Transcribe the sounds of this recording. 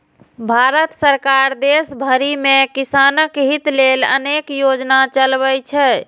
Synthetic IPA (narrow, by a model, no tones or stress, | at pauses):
bʱaɾət̪səɾkaɾd̪esbʱəɾimekisanəkɦit̪lelə̰nekjod͡ʒnat͡ʃəlbɛjt͡ʃʰɛ